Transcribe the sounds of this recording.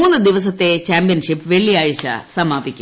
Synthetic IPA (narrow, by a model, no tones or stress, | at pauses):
uːnːɨd̪iʋɐsɐt̪ːet͡ɕaːmpijɐnʂipːʋeɭːijaːɻit͡ɕːɐ̰sɐmaːbikʲːu